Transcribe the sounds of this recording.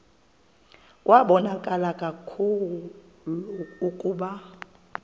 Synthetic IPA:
kʼwʔaɓɔnakʼalakʼakʰuuluːkʼuːɓa

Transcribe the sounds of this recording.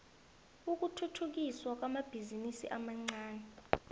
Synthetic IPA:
uk̬ʼutʰutʰuk̬iswak̬ʼwamab̥ʱizinisḭʔamaŋ͡ǀaːnɛ

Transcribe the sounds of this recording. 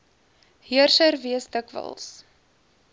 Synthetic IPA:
hiərsərviəsdəkvə̰lˠs

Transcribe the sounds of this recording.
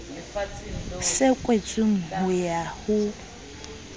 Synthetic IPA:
sɪkʼwet͡sʼɪŋ̩hʊjahʊ

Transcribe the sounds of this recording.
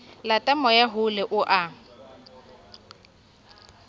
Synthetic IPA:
latʼamɔjaɦʊlɛʔʊʔa

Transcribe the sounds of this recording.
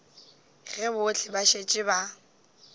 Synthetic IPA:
ɣɛbʊt͡ɬʰɪbaʃet͡ʃʼɪba

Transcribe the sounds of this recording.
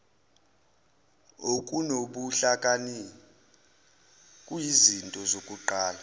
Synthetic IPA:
okʼunoɓuɬakʼani | kʼujizintʼɔzokʼuǃaːla

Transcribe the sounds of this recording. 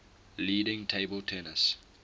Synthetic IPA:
liːdɪ̃ŋtʰeɪbəltʰɛnəs

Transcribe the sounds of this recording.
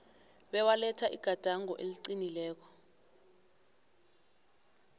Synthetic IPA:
ɓɛwalɛtʰaʔḭɡ̥ʱad̥ʱaŋɔʔeliǀinilɛːk̬ɔ̥

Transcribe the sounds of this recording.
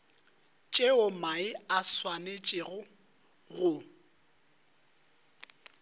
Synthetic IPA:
t͡ʃʼeʊmaɪaswanet͡ʃʼɪɣʊ | ɣʊ

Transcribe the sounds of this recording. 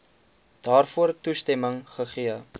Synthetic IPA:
d̥ɑːrfuərtustɛməŋχəχiə

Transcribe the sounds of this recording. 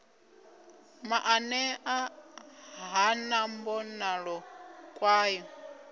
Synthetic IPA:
maʔanɛʔa | ɦanambɔnaɺɔkʼwaːjɔ

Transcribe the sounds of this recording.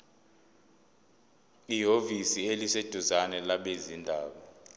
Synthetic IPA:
iɦovisielised̥ʱuzanɛlaɓezindʱaːɓɔ

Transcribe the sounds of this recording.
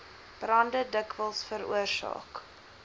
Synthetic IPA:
b̥rɐndədəkvəlˠsfəɾṵərsɑ̰ːk

